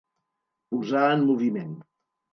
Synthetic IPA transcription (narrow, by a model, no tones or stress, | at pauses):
puzaənmuβimen